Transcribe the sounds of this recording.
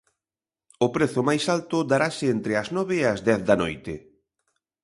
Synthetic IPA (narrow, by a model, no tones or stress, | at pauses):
ʊpɾɛθʊmajsalt̪ʊd̪aɾasɪent̪ɾɪɐznɔβɪːɐzd̪ɛθðɐno̰jt̪ɪ